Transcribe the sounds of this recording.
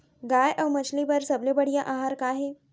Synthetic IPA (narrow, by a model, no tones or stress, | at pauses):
ɡajʔəwmət͡ɕʰlibəɾsəblebəɽijãʔaɦaːɾkaɦe